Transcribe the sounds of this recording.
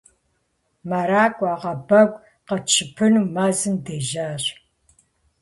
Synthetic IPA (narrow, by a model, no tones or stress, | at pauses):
maɾaːkʷʼaːqɐbɐɡʷ | qɐt͡ʃʰɨpʰɨnuːmaːzɨmdeːʒaːɕ